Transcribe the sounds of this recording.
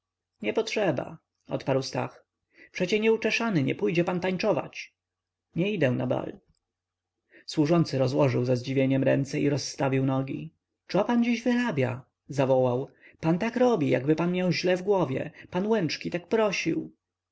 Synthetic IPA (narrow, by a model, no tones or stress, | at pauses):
ɲɛpɔtʂɛba̰ | ɔ̰t̪paɾwst̪a̰x | pʂɛt͡ɕɛɲɛut͡ʂɛʂanɘɲɛ̰pujd͡ʑɛpant̪aɲt͡ʂɔva̰t͡ɕ | ɲɛid̪ɛw̃na̰ba̰l | swuʐɔnt̪sɘɾɔzwɔʐɘwzazd͡ʑivʲjeɲɛmɾɛnt̪sɛiɾɔsːt̪avʲiwnɔɡʲḭ | t͡sɔpand͡ʑiʑvɘɾabʲja | zavɔwawpant̪akɾɔbʲija̰ɡbɘpanmʲjawʑlɛvɡwɔvʲjɛ̰panwɛnt͡ʂkʲit̪ak̚pɾɔɕiw